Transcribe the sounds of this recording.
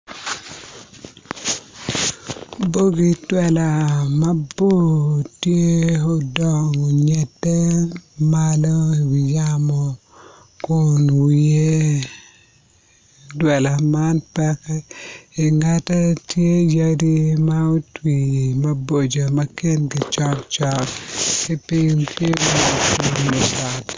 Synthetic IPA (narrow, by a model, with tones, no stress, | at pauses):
bo˦ɡi˨twɛ˨la˨ma˦bo˦tje˦ɔ˦dɔ˨ŋɔ˨ɲɛ˨tːɛ˦ma˦lɔ˦i˨wi˨jamɔ˨ | kʊnwie˦ | dwɛ˨la˨ma˦npɛ˦kɛ˦i˨ŋatɛ˦tje˦ja˦ɾi˦mɐu˦twi˨mɐ˦bo˨d͡ʒo˨mɐ˦ke˦nɡɪ˨t͡ʃɔ˦kt͡ʃɔ˦kki˦pɪŋte˦a˨ki˦nɛ˨ta˦t